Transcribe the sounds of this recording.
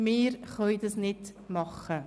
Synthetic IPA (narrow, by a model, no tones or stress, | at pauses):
miːrχojdəsnɛt | mɑχə